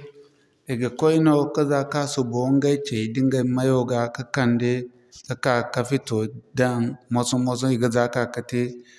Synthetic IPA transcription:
i˨ɡa˨ko˦i˦no˦ka˦za˦ka˦su˨bo˨˦ŋ˦ɡa˦i˦t͡ʃe˨i˨di˦ŋɡa˨ma˦jo˦ɡa˨ka˦ka˨ndi˦ | ka˦ka˨ka˦fi˦to˨da˦˨nmo˦su˦mo˦s̬u˦i˨ɡə˨za˦ka˦ka˨ti˦

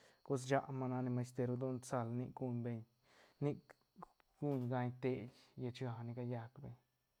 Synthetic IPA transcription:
ko˦s̬d͡ʒa˧ʔma˧na˧ni˧ma˧st̪e˧ɾo˧d̪o˦nt͡sa˧lni˦˧ʔkɡu˧ɲbe˧ɲ | ni˦k | ɡ̥u˦ɲɡa˧ɲt̪e˧jja˧t͡ʃɡa˧˨ni˧ka˧ja˧kbe˧ɲ

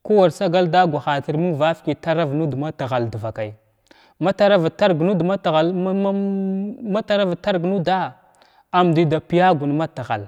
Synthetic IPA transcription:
ku˦wa˨ɾsa˦ɡa˦lda˦ɡʷa˨xa˨ti˨ɾmu˦ŋva˦fki˨ta˦ɾa˦vnu˦dma˦ta˨ɣa˨ldu˨va˨ka˨j | ma˦ta˦ɾa˦va˨ta˦ɾɡnu˦dma˦ta˨ɣa˨l | ma˦ta˦ɾa˦va˨ta˦ɾɡnu˦da˦ | a˨m˨di˨da˨pi˨ja˦ɡu˨nma˦ta˨ɣa̰˨l

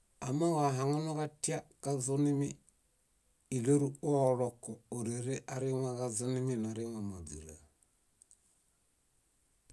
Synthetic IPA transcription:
a˨ma˦wa˨ɦa˨ŋa˦no˦ka˦ti˦a˦ka˦zu˦ni˦mi˦ | i˨lo˦ɾu˦o˦˨lo˨kːo˨o˨ɾe˨ɾe˦ʔa˨ɾi˦ŋa˦ka˦zu˦ni˦mi˦na˨ɾi˦ŋa˨ma˨bḭ˨la̰˨

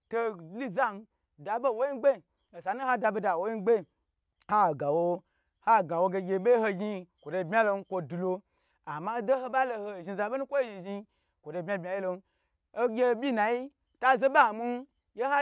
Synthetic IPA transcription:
to˧li˦za˦n˦ | da˨bo˦˨wo˦ji˦ɡ͡be˦˨ | o˨sa˨˦nu˦ha˦da˧be˧da˨wo˦ji˦n˦ɡ͡be˦˨ | ha˦˨ɡa˨wo˧ | ha˦˨ɡa˨wo˧ɡe˧ɡʲe˧˦be˦ho˧ɡʲi˧kʷo˨do˧˨bmʲa˦lo˧n˦kʷo˧du˨lo˧ | a˨ma˦do˦ho˧ba˦lo˧ho˧˨ʒi˧za˧be˦nu˦kʷo˦ʒi˧ʒi˧ | kʷo˨do˧˨bmʲa˧bmʲa˨˦je˦lo˧n˦ | o˦ɡʲe˧bʲi˦na˨ji˦ | ta˦ze˦ba˦˨mu˦n˦ | je˦ha˦

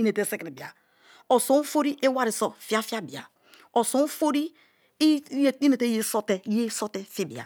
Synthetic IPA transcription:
i˦ne˨te˦˨se˦ki˨bi˨a̰˨ | o˨sõ˨˦fo˦ɾi˦ʔe˦wa˦ɾi˨so˨fi˨˦a˦fi˦a˦bi˨a̰˨ | o˨so˨˦fo˦ɾi˦ | i˦ne˨te˦je˦so˦te˨˦e˦so˦te˦fi˦bḭ˨a̰˨

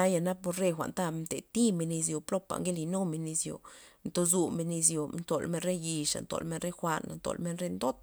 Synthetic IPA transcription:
a˦ja˧na˦po˧ɾɾe˦˧xʷa̰˨nt̪a˦mt̪e˨t̪i˦me˧ni˧s̬jo˨plo˦pa̰˨ŋɡe˦li˧no˦me˧ni˧sjo̰˨nt̪o˧zu˧me˧ni˧s̬jo˨nt̪o˨lme˧nɾe˦ji˧ʂa̰˨nt̪o̰˧˨lme˦nɾe˦xʷa˧na̰˨nt̪o̰˨lme˧˦nɾe˦nd̪o˦t̪̚

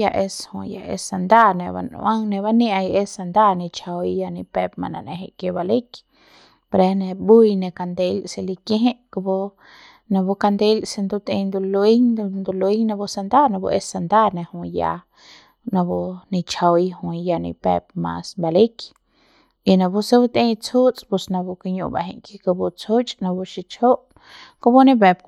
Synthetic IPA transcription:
ja˧ʔe˧shṵ̃˧˨ja̰˧ḛ˧sa˧nd̪a˦nẽ˧ba̰˧n̰˧ã˦ŋnẽ˧βa˦nĩ˦ã˧je˧sa˧nd̪a˦nĩ˧t͡ʃʰa˧wi˧ja˧nĩ˧pe˧p̚mã̰˧nã̰˧˨nḛ̃˧ɦẽ˧ʔkje˧ba˧li˦k | pɾe˧nẽ˧bu˦jnẽ˧ka˧nd̪e˧lse˧li˧kẽ˦ɦẽ˦ʔku˧bu˧ | nã˧bu˧ka˧nd̪e˧lse˧nd̪u˧t̪ĩ˧nd̪u˧lu˧i˦ŋ˧nd̪u˧lu˧i˦ŋnã˧bu˧sa˧nd̪a˦nã˧bṵ˧ʔe˧sa˧nd̪a˦nẽ˧hũ˧ja̰˧ | nã˧bu˧nĩ˧t͡ʃa˧wjhũ˧jja˧nḭ̃˧bḛ˧p̚mã̰˧sba˧le˦k | i˧nã˧bu˦se˧˦bu˦t̪ẽ˧t͡sʰu˦t͡sʼpu˧snã˧bu˧ka˧ɲṵ̃˧˨ba̰˧ɦẽ˧ʔki˧ka˧bu˧t͡sʰu˦t͡ʃʼnã˧bu˧ʃi˧t͡ʃʰo˦ʔ | ko˧bu˦nẽ˧be˧p̚

